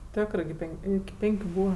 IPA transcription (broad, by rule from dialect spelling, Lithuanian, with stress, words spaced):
ˈtʲoːkrɜ ɡʲɪ ˈpʲɛŋʲkʲ ˈɪkʲɪ ˈpʲɛŋʲkʲʊ ˈbuːʋɐ